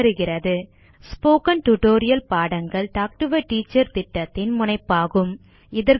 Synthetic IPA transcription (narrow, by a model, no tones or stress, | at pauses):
ɾɯɣɪrɐðɯ | spoːkɐnʈʊʈoːɾɪjɐlpaːɽɐŋɡɐɭʈaːk̚ʈɯʋɐʈiːt͡ʃːɐɾt̪ɪʈːɐt̪ːɪnmʊnɐɪpːaːɣɯm | ɪðɐɾ